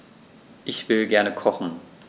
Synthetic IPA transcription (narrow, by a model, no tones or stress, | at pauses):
ʔɪçv̥ɪlɡɛɐnəkʰɔχn̩